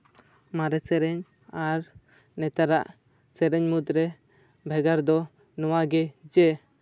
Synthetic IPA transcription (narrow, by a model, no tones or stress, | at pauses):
maɾɛsɛɾɛɲ | aɾ | nɛt̪aɾaʔ | sɛɾɛɲmut̪ɾɛ | bʱɛɡaɾd̪ɔ | nɔwaɡɛd͡ʒɛ